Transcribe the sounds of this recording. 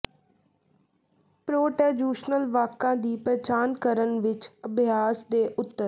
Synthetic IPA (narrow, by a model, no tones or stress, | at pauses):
pɾoːʈɛːɖjuːʃnəlʋaːkãːd̪iːpɾət͡ʃaːnkəɾənʋɪt͡ʃəbʱjaːsd̪eːʔʊt̪ːəɾ